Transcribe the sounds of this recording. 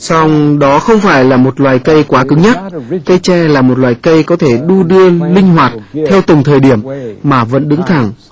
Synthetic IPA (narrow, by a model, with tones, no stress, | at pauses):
sa˧wŋ͡mɗɔ˨˦xə˧wŋ͡mfaː˧˩jlaː˨˩mo˨˩t̚lwaː˨˩jkə˧jkwaː˨˦kɨ˨˦ŋɲa˦˥t̚tkə˧jt͡ɕɛ˧˩laː˨˩mo˨˩t̚lwaː˨˩jkə˧jkɔ˨˦t̪ʰe˧˩ɗu˧ɗɨ˧əlï˧ŋ̟ɦwaː˨˩t̚t̪ʰɛ˧wt̪ə˨˩ŋ͡mt̪ʰəː˨˩jɗi˧˩əmmaː˨˩və̰˧˥nɗɨ˨˦ŋt̪ʰa˨˩ŋ